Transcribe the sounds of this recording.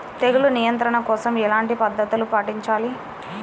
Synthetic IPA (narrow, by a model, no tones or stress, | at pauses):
t̪eɡulunijɐnt̪ɾɐɳɐkɔːsɐmɛlaːɳʈipɐd̪ːɐt̪ulupaːʈiɲt͡ʃaːli